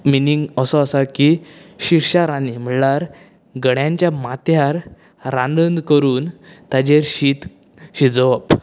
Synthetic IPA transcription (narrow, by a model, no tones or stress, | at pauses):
miniŋɡəsɔəsakiɕiɾɕaɾanim̤əɽɭaɾ | ɡəɽjãɲt͡ɕjamat̪jaɾ | ɾandənd̪kəɾuːnt̪ad͡ʑeɾɕit̪ | ɕid͡zɔʋəp